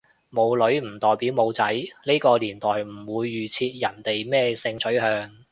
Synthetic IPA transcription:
mo˨˧wlɵ˨˥ɥm̩˨˩t̪ɔː˨jpiː˨˥wmo˨˧wt͡sɐ˨˥jne˥kɔː˧liː˨˩nt̪ɔː˨˩jm̩˨˩wuː˨˧jːyː˨˩t͡sʰiː˧t̚jɐ˨˩nt̪e˨jmɛː˥sɪ˧ŋt͡sʰɵ˨˥ɥɦœː˧ŋ

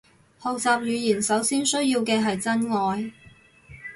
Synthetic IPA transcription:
ho˨wt͡saː˨p̚jyː˨˧jiː˨˩nsɐ˨˥wsiː˥nsɵ˥jjiː˧wkɛː˧ɦɐ˨jt͡sɐ˥nŋɔː˨˧j

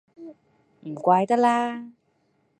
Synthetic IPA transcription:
i˨˩˨kwaː˧jt̪a˦˥laː˧

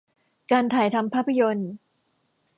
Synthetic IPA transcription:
kaː˧nt̪ʰaː˨˩jt̪ʰa˧mpʰaː˥˩pʰːa˧jo˧n

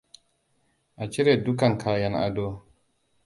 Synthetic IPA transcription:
a˨t͡ʃi˦ɾe˨du˦ka˨ŋkʰa˨ja˨na̰˨do˦

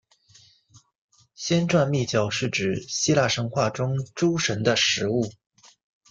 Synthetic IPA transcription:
ɕjɛ˥nʈ͡ʂwa˥˧nmi˥˩t͡ɕjɑ˨˩ʊʂɻ̩˥˩ʈ͡ʂɻ̩˨˩ɕi˥la˥˩ʂə˧˥ŋxwa˥˩ʈ͡ʂʊ˥ŋʈ͡ʂu˥ʂə˧˥nd̪ə˧ʂɻ̩˧˥u˥˩

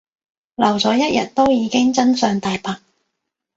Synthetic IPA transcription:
lɐ˨˩wt͡sɔː˨˥jɐ˥t̚jɐ̰˨t̚t̪ːo˥wjiː˨˧kɪ˥ŋt͡sɐ˥nsœː˨˧ŋt̪aː˨jpaː˨˥k̚

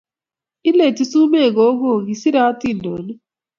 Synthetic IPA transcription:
i˦le˦˨ti˦su˦me˦˨ɡo˨˦ɡo˦˨ɡi˨si˦ɾa˦ti˦˨ndɔ˨˦nɛ˦

